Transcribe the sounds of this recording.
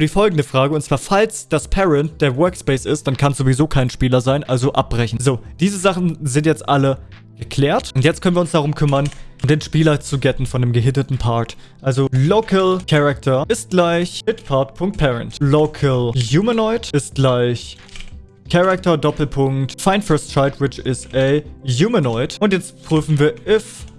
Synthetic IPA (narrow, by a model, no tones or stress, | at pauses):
diːfɔlɡŋ̩dəfʁ̥aːɡəʊntt͡sv̥aːɐfalsd̥aspʰɛʁɛnt̚d̥eːɐwœɐkspɛɪsɪst̚d̥ankʰansz̥ovizoːkʰaɪnʃpiːlɐzaɪnʔalzoʔap̚b̥ʁɛçn̩zoːd̥iːzəzaχn̩zɪntjɛt͡stʔalə | ɡ̥əkʰl̥ɛːɐtʊntjɛt͡stkœnviːɐʊnsd̥aʁ̞ʊmkʰʏmɐnʊmdeːnʃpiːlɐt͡suɡɛtn̩fɔndeːmɡəɦɪtətn̩pʰaɐt | ʔalzolokəlkʰɛʁak̚tʰɐʔɪst̚ɡ̥laɪçhɪtpʰaɐtpʰʊŋk̚t̚pʰɛʁəntlokʰəljuːmənɔɪtɪst̚ɡ̥laɪç | kʰɛʁak̚tɐdɔpl̩pʰʊŋktfaɪnfɛɐstʁ̥aɪtwɪt͡ʃɛsɛjuːmənɔɪtʔʊntjɛt͡stpʁ̥yːfn̩viːɐʔɪf